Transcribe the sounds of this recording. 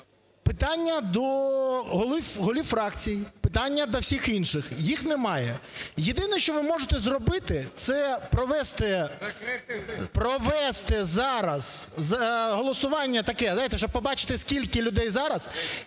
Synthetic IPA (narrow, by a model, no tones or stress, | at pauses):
pɪt̪ɑnʲːɐd̪ɔɦɔlˠifɦɔlʲifɾɑkt͡sʲijipɪt̪ɑnʲːɐd̪ɐwsʲixinʃɪxjixnɛmɑjɛjed̪ɪnɛʃt͡ʃɔʋɪmɔʒet̪ɛzrɔbɪt̪ɪt̪sɛpɾɔʋɛst̪ɪ | pɾɔʋɛst̪ɛzɑɾɐz̥zɐɦɔlˠɔsʊʋɑnʲːɐt̪ɐkɛzajt̪ɛʃɔb̚pɔbɑt͡ʃɪ̥t̪ɪskʲilʲkɪlʲʊd̪ɛjzɑɾɐz